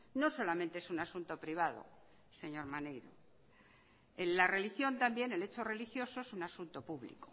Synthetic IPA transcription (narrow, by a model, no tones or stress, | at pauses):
no̞so̞lamẽnt̪eesunasunt̪o̞pɾiβað̞o̰ | se̞ɲo̞ɾmanejɾo̰ | enlare̞lixjo̞nt̪ambje̞ne̞le̞t͡ʃore̞lixjo̞so̞esunasunt̪o̞puβlḭko